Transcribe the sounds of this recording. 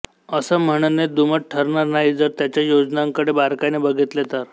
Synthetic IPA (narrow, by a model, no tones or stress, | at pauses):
əsəm̤əɽ̃əned̪uməʈ̚ʈʰəɾɳaɾnaɦid͡zəɾt̪jat͡ɕjajod͡znaŋkəɽebaɾkanebəɡʱit̪let̪aɾ